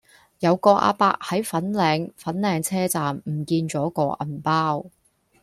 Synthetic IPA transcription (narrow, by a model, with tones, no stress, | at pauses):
jɐ˨˧wkɔː˧ʔa̰ː˧pa̰ː˧k̚hɐ˨˥jfɐ˨˥nlɛː˨˧ŋfɐ˨˥nlɛː˨˧ŋt͡sʰɛː˥t͡saː˨mm̩˨˩kiː˧nt͡sɔː˨˥kɔː˧ʔɐ̰˨˩npaː˥w